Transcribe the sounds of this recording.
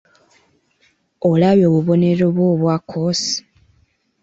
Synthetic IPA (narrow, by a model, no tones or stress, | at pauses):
olaβjo̞ːβuβo̞ne̞ɾo̞βwo̞ːβwakʰːosi̥